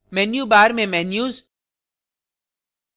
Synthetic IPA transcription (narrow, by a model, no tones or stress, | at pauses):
mɛnjubaːɾmẽmɛːnjuːz